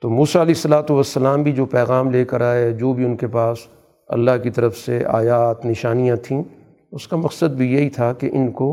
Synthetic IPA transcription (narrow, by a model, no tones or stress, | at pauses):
t̪oːmuːsaɐleːɪsːɐlaːt̪uʋɐsːɐlaːmbʱid͡ʒoːpɛːɣaːmleːkɐɾaːeɛd͡ʒoːbʱiʊnkepaːs | ɐ̰lːaɦkit̪ɐɾəfseʔa̰ːjaːt̪nɪʃaːnijãt̪ʰĩː | ʊskamɐqsəd̪̚bʱijeɦit̪ʰakeʔɪnko